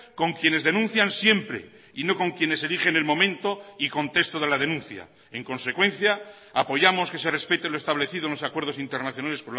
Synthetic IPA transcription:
ko̞ŋkje̞ne̞zðe̞nũnθjansje̞mpɾe̞̰ | ino̞ko̞ŋkje̞ne̞se̞liχe̞ne̞lmõ̞mẽ̞nt̪o̞iko̞nt̪e̞st̪oð̞e̞laðe̞nũnθja̰ | e̞ŋkõ̞nse̞kwẽ̞n̟θja | apo̞jamo̞ske̞sere̞spet̪eloest̪aβle̞θiðonlosakwe̞ɾðo̞sint̪e̞ɾnaθjo̞nale̞spo

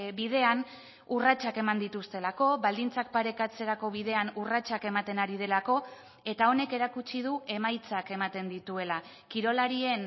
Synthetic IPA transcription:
bið̞e̞an | urat͡ʃake̞mand̪it̪ust̪e̞lako̞βald̪int͡sak̚paɾe̞kat͡se̞ɾako̞βiðe̞anurat͡ʃake̞mat̪e̞naɾið̞e̞lako̞ | e̞t̪ao̞ne̞ke̞ɾakut͡ʃið̞ue̞majt͡sake̞mat̪e̞nd̪it̪ue̞la | kiɾo̞laɾie̞n

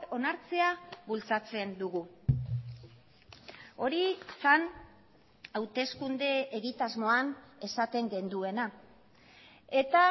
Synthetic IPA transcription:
o̞naɾt͡se̞aβult͡sat͡se̞nd̪uɣu | o̞ɾisan | awt̪e̞skund̪e̞ːɣit̪azmo̞ane̞sat̪e̞ŋɡe̞nd̪ue̞na | e̞t̪a

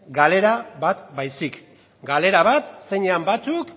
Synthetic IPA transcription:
ɡale̞ɾaβat̪bajsik | ɡale̞ɾaβat̪se̞ɲeambat͡suk

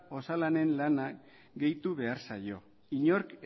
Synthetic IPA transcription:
o̞salane̞nlana | ɡe̞jt̪uβe̞aɾsajo̞ | iɲo̞ɾk

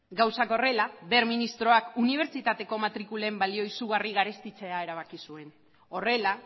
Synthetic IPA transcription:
ɡawsako̞re̞labe̞ɾminist̪ɾo̞akuniβ̞e̞ɾt͡ʃit̪at̪e̞ko̞mat̪ɾikulembalio̞isuɣ̞ariɣaɾe̞st̪it͡se̞ae̞ɾaβ̞akisue̞n | o̞re̞la

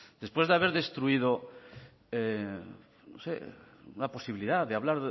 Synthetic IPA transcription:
d̪̥e̞spwe̞zðeaβ̞e̞ɾðe̞st̪ɾuið̞o̞ | e | no̰se̞̰ | unapo̞siβiliðaðeaβ̞laɾ

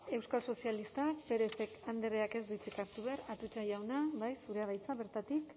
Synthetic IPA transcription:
e̞wskalso̞sialist̪ape̞ɾese̞kand̪ereake̞zd̪ut͡sikaɾt̪uβeaɾat̪ut͡ʃajawnaβajsuɾeaβajt͡saβe̞ɾt̪at̪ik

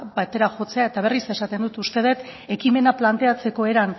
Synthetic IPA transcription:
bat̪e̞ɾaxo̞t͡se̞ae̞t̪aβe̞rise̞sat̪end̪ut̪ust̪e̞ð̞e̞t̪ | e̞kime̞naplant̪e̞at͡se̞ko̞e̞ɾan

